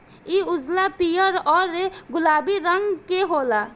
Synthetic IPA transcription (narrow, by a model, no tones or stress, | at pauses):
iʊd͡ʒlapijəɾɔːɾeɡʊlaːbiɾəŋɡkeɦola